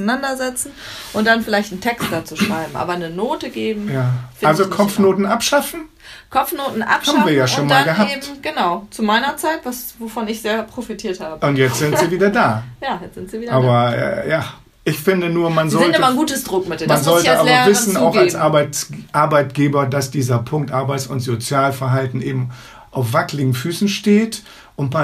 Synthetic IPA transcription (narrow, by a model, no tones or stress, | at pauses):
nandɐzɛt͡sn̩ | ʔʊnt̚d̥anfɪlaɪçtn̩tʰɛkst̚d̥aːt͡suʃʁ̥aɪbm̩ʔa̰ːbɐnənoːtəɡeːbm̩jaːfalzokʰɔfnoːtn̩ʔapʃafn̩ | kʰɔfnoːtn̩ʔa̰phaːbbm̩viːɐjaːʃoːnmaːlɡəɦapeːbm̩ɡ̥ənaʊt͡sumaɪnɐt͡saɪtvasvofɔnɪçz̥eːɐpʁ̥ofitʰiːɐthaːbəʊntjɛt͡stz̥ɪnz̥iːviːdɐdaːjaːjɛt͡sz̥ɪntz̥iviːdɐaːbɐɛ̰jaː | ʔɪçfɪndənuːɐmanzɔltəmɐɡuːtəsd̥ʁʊkmɪt̚demanzɔltəaːlɛɐvɪsn̩aʊxalsbaɪtʔaɐbaɪtɡ̥eːbɐdasd̥iːzɐpʰʊŋk̚tʔaɐbaɪsʊntz̥ot͡sjaːlfɛɐɦaltn̩ʔeːbm̩ | ʔaʊfv̥aklɪɡŋ̩fyːsn̩ʃteːt | ʔʊntma